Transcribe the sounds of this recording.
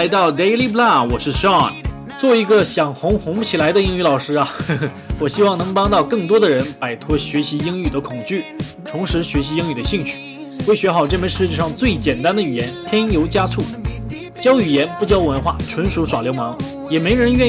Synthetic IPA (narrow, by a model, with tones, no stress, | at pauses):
ɪt̪ɑ˥˩ʊd̪e˥ɪli˥p̬la˥˩wɔ˨˩ʂɻ̩˥˩ʂɑ̰˥˨˩ | t͡swɔ˥˩i˧˥ɡə˧ɕjɑ˨˩ŋxʊ˧˥ŋxʊ˧˥ŋpu˥˩t͡ɕʰi˨˩la˧˥ɪd̪ə˧i˥ŋy˧˩lɑ˨˩ʊʂɻ̩˥a˨ | wɔ˨˩ɕi˥wɑ˥˩ŋnɤ˧˥ŋpɑ˥ŋt̪ɑ˥˧ʊkɤ˥˩ŋt̪wɔ˥d̪ə˨ɻə˧˥npa˨˩ɪt̪ʰwɔ˥ɕɥɛ˧˥ɕi˧˥i˥ŋy˨˩d̪ə˦kʰʊ˨˩ŋt͡ɕy˥˩ | t̪ʰʊ˧˥ŋʂɻ̩˧˥ɕɥɛ˧˥ɕ̬i˧˥i˥ŋy˨˩d̪ə˦ɕi˥˩ŋt͡ɕʰy̥˥˩ | we˥˩ɪɕɥɛ˧˥xɑ˨˩ʊʈ͡ʂɤ˥˩mə˧˥ʂɻ̩˥˧t͡ɕjɛ˥˧ʂɑ˥˧ŋt͡swe˥˩ɪt͡ɕjɛ˨˩nt̪a˥nd̪ə˨y˨˩jɛ˧˥nt̪ʰjɛ˥njo˧˥ʊt͡ɕja˥t͡sʰu˥˩ | t͡ɕjɑ˥ʊy˨˩jɛ˧˥npu˥˩t͡ɕjɑ˥ʊwə˧˥nxwa̰˥˩ʈ͡ʂʰwə˧˥nʂu˧˥ʂwa˨˩ljo˧˥ʊmɑ˧˥ŋ | jɛ˨˩me˧˥ɪɻə˧˥nɥɛ˥˧